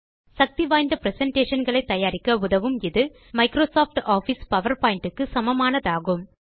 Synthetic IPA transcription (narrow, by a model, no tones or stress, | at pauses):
sɐk̚t̪iʋaːjnd̪ɐpɾɛsɛɳʈeːʂɐnɡɐɭɐɪt̪ːɐjaːɾɪkːɐʊðɐʋɯmɪðɯ | mɐɪkɾoːsoːfʈaːfispɐʋɐɾpaːjɪɳʈɯkːɯsɐmɐmaːnɐðaːɣɯm